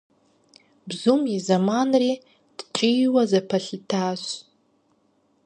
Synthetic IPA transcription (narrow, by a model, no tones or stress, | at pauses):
bzumizamanri | d̥t͡ʃʷʼijwazapʰaɬtʰaʃʷ